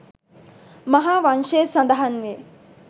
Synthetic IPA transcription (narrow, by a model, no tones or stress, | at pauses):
mɐɦaːʋɐnʃeːsɐ̃nd̪ɐɦɐnʋe